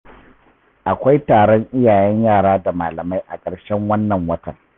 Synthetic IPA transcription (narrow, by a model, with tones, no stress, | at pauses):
ʔa˨kʷa˦jtaː˨ɽɔ˦ɲʔɪ˦jaː˨jɛ˦ɲjaː˦˨ɽaː˦da˨maː˨lɐ˨ma˦jʔa̰˨kʼɐ˨ɽʃɛ˦ŋwɐ˦nːɐ˨ŋwɐ˦tɐ̰˨ŋ